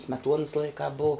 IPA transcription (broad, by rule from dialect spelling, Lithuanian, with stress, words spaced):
sʲmʲɛˈtuɔnɐs ˈlˠɐɪkɑː boːʊ